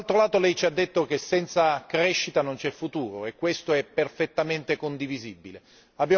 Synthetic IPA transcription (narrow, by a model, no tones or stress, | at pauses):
lt̪ɾolaːt̪olɛjt͡ʃiad̪ːet̪ːok̟esːɛnt̪sakɾɛʃːit̪anont͡ʃɛfːut̪uːɾoekːwest̪oɛpːerfet̪ːament̪ekond̪ivizibːile | abːja